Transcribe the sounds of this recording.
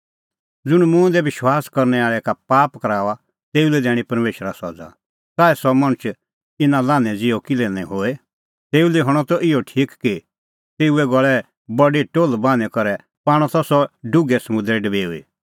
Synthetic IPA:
d͡zʊɽ̃mũɛ̃d̪ɛʋɪʃwaːskɐɾnɛaːɭɛkapaːpkɐɾaːʋa | t̪eːulɛd̪ɛːɽ̃ipɐɾmeːʃəɾasɔd͡za̰ | saːɛsɔmɐ̃ñt͡ʃ | ɪnãlãːnɛ̃d͡zɪɔkɪlɛnɛ̃ɦoːɛ | t̪eːulɛɦɔɽ̃ɔt̪ɔʔɪjɔʈʰiːkki | t̪eːuɛɡɔɭɛ | bɐɖiʈoːlbãːnɛkɔɾɛ | paːɽ̃ɔ̃t̪ɔsɔɖʊɡɛsɐmʊ̃nd̪ɾɛɖɐbeːuḭ

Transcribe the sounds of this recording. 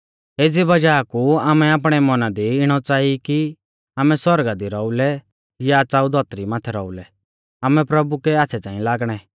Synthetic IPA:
eːd͡zibɐd͡ʒaːkuaːmɛaːp̬ɽ̃ɛmɐnad̪iɪɽ̃ɔt͡saːiki | aːmɛswɔɾɡad̪iɾɔulɛ | jat͡saːud̪ʱɔːt̪ɾimãːt̪ʰɛɾɔulɛ | aːmɛpɾɐbukɛaːt͡sʰɛt͡sãːĩlaːɡɽ̃ɛ

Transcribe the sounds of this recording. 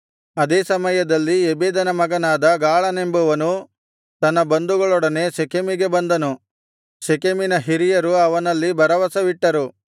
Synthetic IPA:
ɐd̪eːsɐmɐjɐd̪ɐlːiebeːd̪ɐnɐmɐɡɐnaːd̪ɐɡaːɭɐne̞mbuʋɐnu | t̪ɐnːɐbɐnd̪uɡɐɭɔɽɐne̞sekemiɡe̞bɐnd̪ɐnu | sekeminɐɦiɾijɐɾuɐʋɐnɐlːibɐɾɐʋɐsɐʋiʈːɐɾu

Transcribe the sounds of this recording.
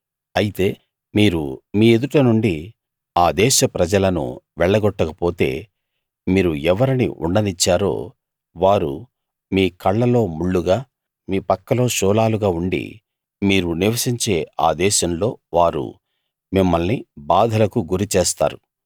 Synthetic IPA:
ɐjit̪e̞ː | miːɾumiːe̞d̪uʈɐnuɳɖi | aːd̪ɛːʃɐpɾɐd͡ʒɐlɐnṵʋɛɭːɐɡɔʈːɐkɐpo̞ːt̪e̞̰ː | miːɾuɛʋɐɾinḭʔṵɳɖɐnit͡ʃːaːɾo̞̰ː | ʋaːɾṵ | miːkɐɭːɐlo̞ːmuɭːuɡaː | miːpɐkːɐlo̞ːʃɔːlaːluɡaːuɳɖḭ | miːɾuniʋɐsiɲt͡ʃe̞ːa̰ːd̪ɛːʃɐmlo̞ːʋaːɾṵ | mimːɐlnibaːd̪ʱɐlɐkuɡuɾit͡ʃeːst̪a̰ːɾu

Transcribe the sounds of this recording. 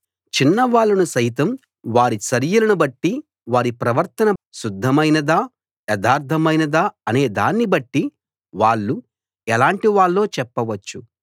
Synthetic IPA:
t͡ʃinːɐʋaːɭːɐnusɐjt̪ɐm | ʋaːɾisɐɾijulɐnubɐʈːi | ʋaːɾipɾɐʋɐɾt̪ɐnɐʃud̪ʱːɐmɐjnɐd̪aː | jɛd̪aːɾt̪ʰɐmɐjnɐd̪aːɐne̞ːd̪aːnːibɐʈːi | ʋaːɭːu | ɛlaːɳʈiʋaːɭːo̞ːt͡ʃɛpːɐʋɐt͡ʃːu

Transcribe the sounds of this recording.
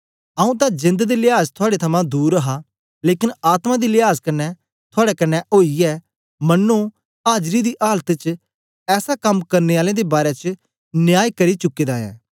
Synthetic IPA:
ɐũt̪ãd͡ʒɪ̃nd̪d̪ilɪɦaːzt̪ʰʊaːɽet̪ʰɐmãd̪uːɾəɦa | leːkɪnaːt̪mãd̪ilɪɦaːzkɐnːɛ | t̪ʰʊaːɽɛkɐnːɛʔoːiɛː | mɐnːu | aːd͡ʒɾid̪iʔaːlət̪t͡ʃ | ɛːsakɐmkɐɾneaːlẽd̪ebaːɾɛt͡ʃ | nɪjaːikɐɾit͡ʃʊkːeːd̪aːɛ̰̃ː

